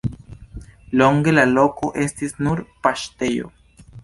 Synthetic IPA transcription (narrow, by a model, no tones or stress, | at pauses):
loŋɡelalokoʔest̪isnuɾpaʃt̪ejo̰